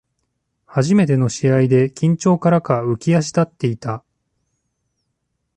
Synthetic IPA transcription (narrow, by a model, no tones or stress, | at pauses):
haʑime̞t̪e̞no̞ɕiaid̪e̞kʲĩɲ̟t͡ɕo̞ːkaɾakaɯ̟kʲiaɕ̬i̥d̪at̪ːe̞it̪a